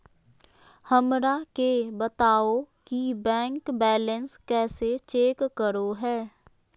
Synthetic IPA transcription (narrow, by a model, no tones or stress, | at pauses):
həmɾakebət̪aːokibɛ̃ːŋkbɛːlənskɛːset͡ʃeːkːəɾoɦɛː